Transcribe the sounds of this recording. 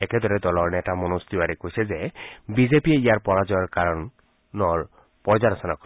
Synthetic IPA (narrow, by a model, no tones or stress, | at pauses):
eked̪ɔɾed̪ɔlɔɹnetamɔnost̪iwaɾekoɦjsʰezebizepieijaɹpɔɹad͡ʒɔjɔɹkaɾɔnː | ɔɹ | pɔɾd͡ʒaɾɔsɔnakɔ